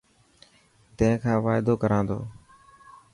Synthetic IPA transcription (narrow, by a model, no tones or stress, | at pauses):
t̪ə̃ɪ̃kʰãːʋaːɪd̪oːkəɾãːnd̪o̰ː